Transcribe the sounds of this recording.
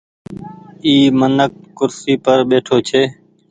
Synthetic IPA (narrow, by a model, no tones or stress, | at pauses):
iːmənək̚ːʊɾsiːpəɾɓeːʈʰoːt͡ʃʰeː